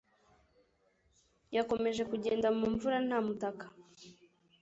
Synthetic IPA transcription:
jako̞me̞ʒe̞kuɟe̞ːndamuːɱvuɾan̥haːmutakḁ

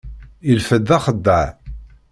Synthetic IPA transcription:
ilfəd̪ːæχəd̪ːəʕ

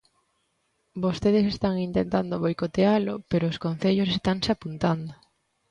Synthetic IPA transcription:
bost̪eð̞esest̪aŋint̪ent̪and̪oβojkot̪ealʊpeɾoːskon̟θeʎosest̪aŋseapunt̪and̪ʊ

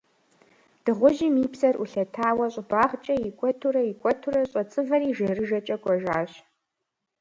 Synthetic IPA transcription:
d̥ɨʁʷʊʒimiːpsɐruɬɐtʰaːwɐɕʼbaːχt͡ʃʼɐjikʷʼɔtʰuɾɐikʷʼɔtʰurɐɕʼɐt͡sʼɨvɐriːʒɐrɨʒɐt͡ʃʼɐkʷʼɔʒaːɕ

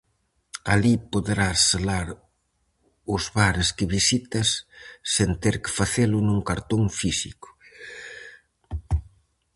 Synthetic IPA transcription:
alipoðeɾaselaɾ | ʊzβaɾɪskɪβisit̪ɐsːent̪eɾkɪ̥faθelʊnũŋkaɾt̪oŋfisikʊ̥

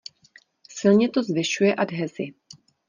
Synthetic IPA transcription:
sɪlɲɛt̪o̞zvɪʃujɛʔadɦɛzɪ

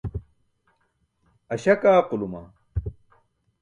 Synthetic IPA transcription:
ɐɕɐkaːquluma̰

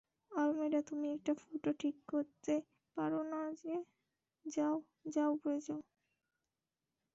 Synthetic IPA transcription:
almeɾat̪umiɛk̚ʈafoʈoʈʰikːoɾt̪e | paɾonad͡ʑe | d͡ʑao | d͡ʑaopoɾed͡ʑao

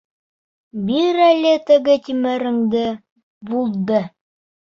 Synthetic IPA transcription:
bilɾælʲɘt̪ɘ̆ɡɘt̪ʲimɘɾɘ̆ŋd̪ɘ | bulˠd̪ɤ

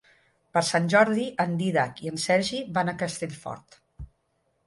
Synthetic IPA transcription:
pəɾsanʲʒɔɾðiʔənd̪iðakiənsɛɾʒiβanəkəst̪eʎfɔ̰ɾt̪

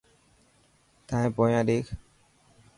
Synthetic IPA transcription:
t̪ʰãːẽːpoːjãːɗeːkʰ

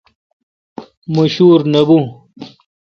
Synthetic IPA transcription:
mɐɕuːɾnɐbu

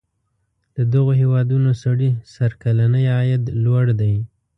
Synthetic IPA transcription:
d̪̥əd̪əɣoɦewɑd̪unosaɽisaɾkalanəjɑjad̪lwaɽd̪aj

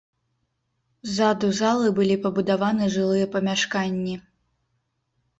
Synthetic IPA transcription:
zad̪uzalˠɨbɨlʲipɐbud̪avanɨʐɨlˠɨjɐpɐmʲaʂkanʲːi

